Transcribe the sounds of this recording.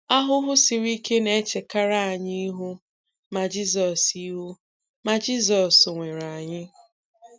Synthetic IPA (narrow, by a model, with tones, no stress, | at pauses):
a˦ɦʊ˦ɦʊ˦si˨ɾi˦ke˦ne˦t͡ʃe˨ka˦ɾa˦˨ɲɪ˦ɦʊ˦ | ma˨d͡ʒi˦zɔ˨si˦ɦu˦ | ma˨d͡ʒi˦zɔ˨sŋʷe˨ɾa˨ɲɪ˦